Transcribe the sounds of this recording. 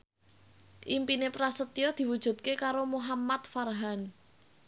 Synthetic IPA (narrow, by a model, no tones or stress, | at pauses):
ʔimpinepɾasət̪iɔd̪̥i̤wud̥ʒ̥ṳt̪̚kekaɾomuɦamat̪̚farɦan